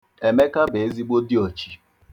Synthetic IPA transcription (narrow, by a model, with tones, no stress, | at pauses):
e˨me˦ka˦be˨e˦zi˦ɡ͡bo˦di˦o˨t͡ʃi̥˨